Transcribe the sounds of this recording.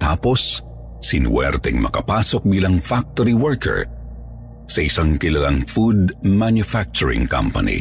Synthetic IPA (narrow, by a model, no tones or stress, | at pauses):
t̪a̰ːpo̞sː | ɪnwɛ̰ɾt̪ɛŋmɐ̰kɐpaːsok̚biːlɐŋfak̚t̪oɾiwɛɹkɛ̰ɹ | sɐʔɪsaŋkɪlɐlaŋfud̪̚manjʊfak̚t͡ʃʊɹɪ̰̃ŋkɐ̰mpɐ̰nḭ